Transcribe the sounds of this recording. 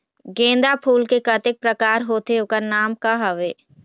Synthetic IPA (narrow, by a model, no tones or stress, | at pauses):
ɡẽːnd̪apʰuːlkekət̪ɪk̚pɾəkaːɾɦoːt̪eokəɾnaːmkaɦɐʋeː